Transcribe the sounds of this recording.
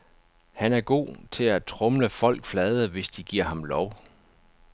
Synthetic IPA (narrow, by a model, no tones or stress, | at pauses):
hænæɐɡ̥o̝̰ːt͡sʰe̝læt͡sʰʁɔ̽mləfɒ̽l̰ɡ̥flɛð̩ˠɐʋe̝sd̥iɡ̥iɐ̰hɑ̈mlɒʊ